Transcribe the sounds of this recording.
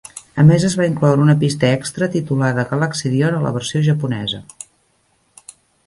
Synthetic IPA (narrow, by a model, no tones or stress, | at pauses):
əmezəzβaiŋklɔwɾəunəpist̪əɛkst̪ɾət̪it̪ulaðəɣələksiðionələ̰β̞əɾsioʒəpunɛzə̰